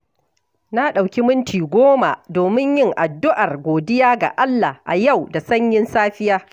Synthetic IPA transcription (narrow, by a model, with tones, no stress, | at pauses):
na˦ɗa˨wkʲi˦mʊ˦ntiː˨ɡʷoː˦ma̰˨doː˨mɪ˦ɲjɪ˦˨ŋʔa˨dːʊ˦ʔa˨rɡʷoː˨dɪ˦jaː˦ɡa̰˨ʔa˦lːa˨ʔa̰˨ja˦˨wda˨sɐ˦ɲjɪ˦nsaː˦ɸɪ˦jaː˦